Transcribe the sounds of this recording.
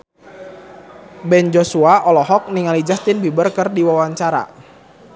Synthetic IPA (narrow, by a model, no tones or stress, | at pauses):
bɛnd͡ʒosuaʔɔlɔɦɔk̚niŋalid͡ʒast̪ɪnbibərkərdiwawaɲt͡ʃaɾa̰